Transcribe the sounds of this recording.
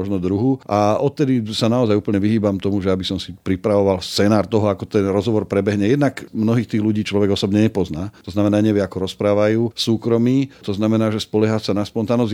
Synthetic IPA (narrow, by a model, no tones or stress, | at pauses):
ɔʒnɔd̪ɾuɦuʔaɔt̪̚t̪ɛd̪isanaɔzajupl̩ɲɛʋiɦiːbamt̪ɔmuʒɛabisɔmsipɾipɾaʋɔʋalfst͡sɛnaːɾt̪ɔɦɔakɔt̪ɛnɾɔzɦɔʋɔɾpɾɛbɛɦɲɛjɛd̪nakmnɔɦiːxt̪iːɣluɟiːt͡ʃlɔʋɛɡɔsɔbɲɛɲɛpɔznaːt̪ɔznamɛnaːɲɛʋɪɛakɔɾɔspɾaːʋajuːsuːkɾɔmiːt̪ɔznamɛnaːʒɛspɔlɛɦasanaspɔnt̪aːnɔz